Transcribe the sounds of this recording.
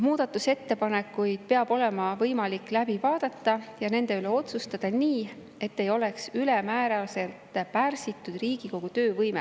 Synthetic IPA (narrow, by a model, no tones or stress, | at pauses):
muːd̪̥ɑt̪ːˑuse̞t̪ːe̞pɑne̞kːˑujd̪̥̚pe̞ɑb̥o̞le̞mɑvɤjmɑlikːˑlæbivɑːd̪̥ɑt̪ːɑjɑne̞nd̪̥e̞yleo̞t̪sust̪ɑd̪̥ɑniː | e̞t̪ːe̞jo̞le̞ksylɛmæːɾɑlse̞lt̪ːˑpærsit̪ːˑud̪̥riːɡ̥iko̞ɡ̥ut̪ø̞ːvɤjme